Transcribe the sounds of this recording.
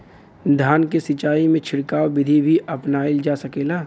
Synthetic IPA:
d̪ʱaːnkesɪt͡ʃaːimẽt͡ʃʰɪɽkaːwbɪd̪ʱibʱiʔɐpnaːild͡ʒaːsɐkeːlaː

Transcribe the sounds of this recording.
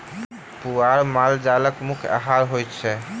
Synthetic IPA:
puaɾmald͡ʒaləkmukʰa̰ɦaɾɦojt̪t͡ʃʰɛ

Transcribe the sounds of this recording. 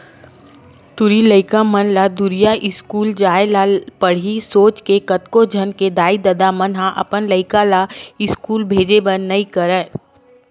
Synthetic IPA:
t̪ʊɾiləɪkãmənlad̪ʊɾijaʔɪskuːld͡ʒaːelapəɽ̤ɦisoːt͡ʃkekət̪kod͡ʒʱənked̪aːid̪ɐd̪amənɦãʔɐ̰pənləɪkalaɪskuːlbʱeːd͡ʒebənːɐĩkəɾɛː

